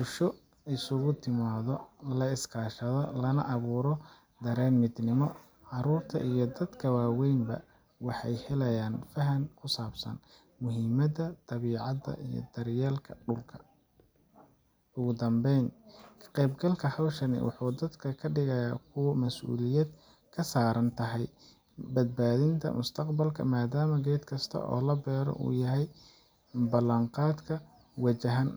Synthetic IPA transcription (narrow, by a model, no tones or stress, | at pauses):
bʊlʃɔ | ɪsʊɣʊt̪ʰɪmaːðɔlɐɪskʰaːʃɐðɔlɐnɐ̰ʔɐβuːɾɔ | d̪ɐɾɛːnmɪd̪nɪmɔ | ʕɑɾuːrt̪ʰɐ̰ʔijɞd̪ɐd̪kʰɐwɑːwɛjnbɐ̰ | wɑħɑjhɛlɐjaːnfɐɦɐŋkʰʊsaːbsɐ̰n | mʊɦimɐdɐt̪ɐβiːʕɑðɐ̰ijɞ̰d̪ɐɾjaːlkʰɐɖʊlkʰɐ̥ | ʊɣʊd̪ɐmbɛjnkʰqɛjbɡɐlkʰɐhɐwʃɐnɪ̰wɑ̰ħuːd̪ɐd̪kʰɐkʰɐɖɪɣɐjaːkʰʊwɐmɐsʔṵːlɪjɐd̪ | kʰɐsaːɾɐnt̪ʰɐɦɛj | bɐd̪̚baːðɪnt̪ʰɐ̰mʊst̪ʰɐqbɐlkʰɐ̰maːd̪aːmɐɡɛːd̪kʰɐst̪ʰɐ̰ʔɔ̰ːlɐbɛːɾɔ̰ʔṵːjɐɦɛj | bɐlɐɴqɑːd̪kʰɐ | wɐt͡ʃɐɦɐn